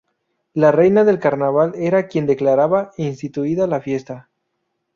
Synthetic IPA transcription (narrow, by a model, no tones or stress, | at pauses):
lare̞jnaðe̞lkaɾnaβ̞ale̞ɾakje̞nd̪e̞klaɾaβainst̪it̪uiðalafje̞st̪a